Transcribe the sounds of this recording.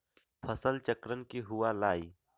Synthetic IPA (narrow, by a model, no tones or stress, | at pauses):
pʰəsəlt͡ʃəkɾənkiɦʊwalaːi